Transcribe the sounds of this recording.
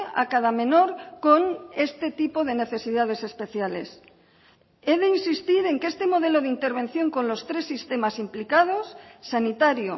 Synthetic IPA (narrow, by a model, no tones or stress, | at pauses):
a̰kað̞amẽ̞no̞ɾko̞nest̪et̪ipoð̞e̞ne̞θe̞siðað̞e̞se̞spe̞θjale̞̰s | eðeinsist̪iɾe̞ŋkest̪emo̞ð̞e̞loðint̪eɾβ̞ẽ̞n̟θjo̞ŋko̞nlo̞st̪ɾe̞sːist̪e̞masimplikað̞o̞sːanit̪aɾjo